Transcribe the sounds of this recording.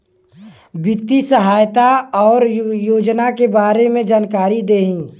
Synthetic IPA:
bɪt̪isəɦaːjt̪aɔːɾjoːd͡ʒnakebaːɾemẽd͡ʒaːnkaːɾid̪eːɦĩː

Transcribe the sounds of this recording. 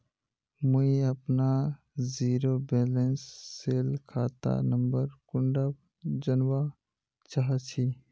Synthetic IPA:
məiəpna | ziːɾobeːlensːeːlkʰaːt̪a̰nəmbəɾkʊ̃ɳɖab | d͡ʒənwa | t͡ʃaɦat͡ʃʰi

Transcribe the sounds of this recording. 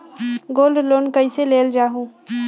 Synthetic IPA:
ɡoːlɖloːnkəiseleːld͡ʒaːɦũː

